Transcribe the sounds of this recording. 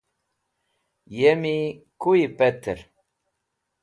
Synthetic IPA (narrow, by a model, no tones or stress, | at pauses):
jemikuipɛt̪ʰəɾ